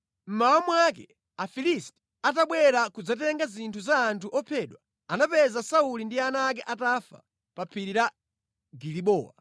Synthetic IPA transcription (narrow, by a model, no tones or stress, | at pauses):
m̩mawamwakɛ | afilistɛ̥ | at̬aɓwɛɾakud͡zat̬ɛŋɡazintʰuzaːntʰuʔɔpʰɛːɗwa | anapɛzasaulindianaːk̬ɛʔatafa̰ | papʰiɾiɾa | ɡiliɓɔːwa